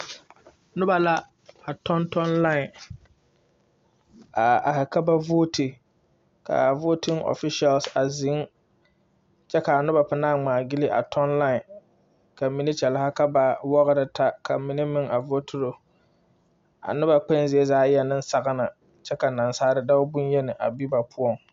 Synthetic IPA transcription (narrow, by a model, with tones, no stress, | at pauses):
nʊ˦ba˨la˦ | a˨tɔ˦ntɔ˦nla˦ɪ˨ | a˨a˨hɪ˨ka˦ba˦voː˦tɪ˨ | ka̰˨vo˦tɪ˦ŋʔo̰˨fɪ˦ʃi˦a˨lsa˨zɪ˨˦ŋ | t͡ʃɛ˦ka˨a˨nʊ˦ba˨pɪ˨naː˦˨ŋ͡maː˨ɡɪ˦lɪ˦ʔa̰˨tʰɔ˦nla˦˨ | ka˨mi˦ni˦t͡ʃɛ˨la˦ha˦ka˦ba˨wɔ˦ɣɪ˦ɾɪ˦tʰa˦kʰa˨mi˨˦ni˦mɪ˦ŋa˨vo˦tʰʊ˦ɾo˨ | a̰˨nʊ˦ba˨k͡pɛ˦nzɪ˨˦e˦zaː˦jɛ˦nɪ̃˦n˦sa˨ɣa˦na˨ | t͡ʃɛ˦ka˨na˨nsaː˦ɾɪ˦da˦ʊ˦bʊ˦n˦jɛ˦nɪ˨ʔa̰˨bi˦ba˨pʰʊ˦ɔ˨ŋ